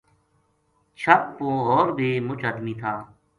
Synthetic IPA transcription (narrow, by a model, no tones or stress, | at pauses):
t͡ʃʰəp̚põːɔːɾbʱiːmʊt͡ʃʰɦəd̪miːt̪ʰaː